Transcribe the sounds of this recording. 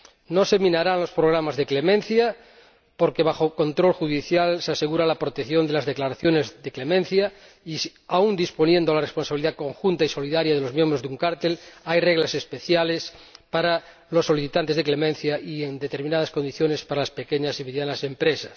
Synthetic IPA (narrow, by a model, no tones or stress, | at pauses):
nosemĩnaɾanlo̞spɾoɣ̞ɾamazðeklemẽnθja | poɾkeβ̞axoko̞nt̪ɾo̞lxuðiθjalseaseɣuɾalapɾot̪eθjo̞nd̪e̞lazðeklaɾaθjonezðeklemẽnθja | i | aund̪ispo̞njend̪oalarespo̞nsaβiliðako̞ŋxunt̪aiso̞liðaɾjaðelo̞zmjẽmbɾozðuŋkaɾt̪elajreɣlase̞spe̞θjalespaɾa | lo̞sːo̞liθit̪ant̪e̞zðeklemẽnθjaiend̪et̪e̞ɾmĩnaðasko̞nd̪iθjo̞nespaɾalaspekeɲasimeðjanase̞mpɾesḁs